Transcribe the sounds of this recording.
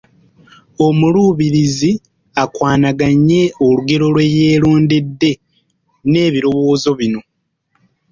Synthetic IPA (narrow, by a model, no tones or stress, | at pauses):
o̞muluːβiɾizi | akwaːnaɡaɲːe̞oluɡe̞ɾo̞lwe̞jeːluːndidːe̞ | ne̞ːβiɾo̞wo̞ːzo̞βino̞